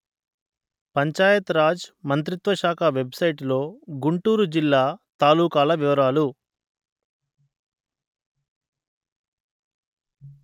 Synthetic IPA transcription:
pɐɲt͡ʃaːjɐt̪ɾaːd͡ʒmɐnt̪̬ɾit̪ʋɐʃaːkʰaʋe̞bsɐjʈilo̞ːɡuɳʈuːɾud͡ʒilːaːt̪aːluːkaːlɐʋiʋɐɾaːlu

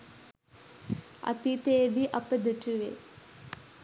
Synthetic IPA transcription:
ɐ̰t̪it̪eːʋiʔɐpəd̪əʈuʋḛ

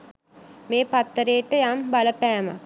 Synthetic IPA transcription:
meːpat̪ːəɾejəʈəjambaləpæːma̰

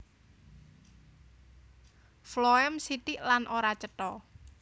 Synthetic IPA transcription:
floɛmsit̪iʔlanʔoɾat͡ʃət̪ɔ

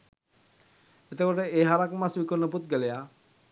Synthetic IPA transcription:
et̪ekoʈeeɦaɾakmasbikonːəbut̪̚ɡeleja

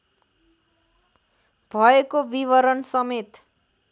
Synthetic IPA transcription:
bʱʌekobiβʌɾʌnsʌmet̪

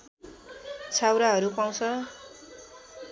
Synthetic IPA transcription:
t͡sʰawɾaɦʌɾupaw̃t͡sʰʌ

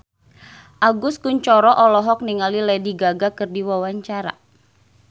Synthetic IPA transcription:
ʔaɡʊskuɲt͡ʃɔɾɔʔɔlɔɦɔk̚niŋalilɛdiɡaɡakɨrdiwawaɲt͡ʃaɾa̰

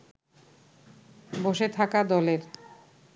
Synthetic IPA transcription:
boʃet̪ʰakad̪ɔleɾ

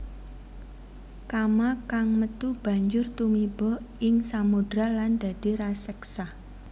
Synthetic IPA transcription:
kamakaŋmət̪ub̥a̤ɲd͡ʒʊrt̪umib̥ɔʔɪŋsamud̥ɾaland̪̥a̤d̪̥i̤ɾasɛksah

